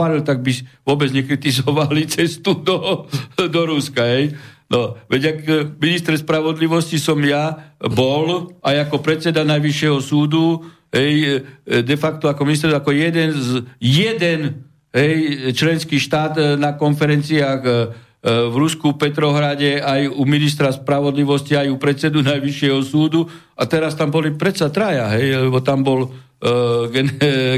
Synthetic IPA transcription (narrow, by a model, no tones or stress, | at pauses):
alilt̪aɡ̚biʋʊɔbɛd͡zɲɛkɾit̪izɔʋalit͡sɛst̪ud̪ɔd̪ɔɾuskaɦɛjnʔɔʋɛɟakminist̪ɾɛspɾaʋɔd̪liʋɔscisɔmjabɔlajakɔpɾɛt̪t͡sɛd̪anajʋiʃɪjɛɦɔsuːd̪u | ɦɛjd̪ɛfakt̪ɔakɔminist̪ɛɾsakɔjɛd̪ɛnzjɛd̪ɛn | ɦɛjt͡ʃlɛnskiːʃt̪aːd̪nakɔnfɛɾɛnt͡siaːɣ | ʋɾuskupɛt̪ɾɔɦɾaɟɛajuminist̪ɾaspɾaʋɔd̪liʋɔsciajupɾɛt̪sɛd̪unajʋiʃɪɛɦɔsuːd̪u | at̪ɛɾast̪ambɔlipɾɛt̪sat̪ɾajaɦɛjlɛbɔt̪ambɔl | ɡɛn